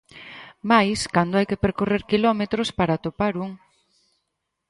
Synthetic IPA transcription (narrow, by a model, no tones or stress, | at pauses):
majskand̪oajkepeɾkoreɾkilɔmet̪ɾospaɾat̪opaɾuŋ